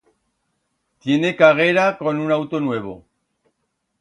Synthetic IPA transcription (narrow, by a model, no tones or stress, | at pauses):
t̪je̞ne̞kaɣeɾako̞nunawt̪onwe̞β̞o̰